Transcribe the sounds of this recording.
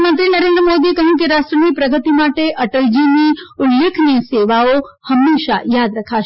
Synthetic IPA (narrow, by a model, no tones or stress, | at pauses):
mənt̪ɾinəɾend̪ɾəmod̪iekəɦjũkeɾaʃʈɾənipɾəɡət̪imaʈeʔəʈəld͡ʒiniʊlːekʰniseʋaohəmːeʃa̰jad̪ɾəkʰaʃ